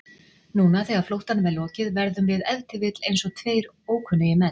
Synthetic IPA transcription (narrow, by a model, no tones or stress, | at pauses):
nuːnaθɛːɣaɾ̥flowht̪anvɛðlɔːcɪðvɛɾðʏmvɪðɛðt̪ɪvɪt̪lejnsɔt̪ʰveːjɾ | oːwkʰʏnːʏjɪmɛn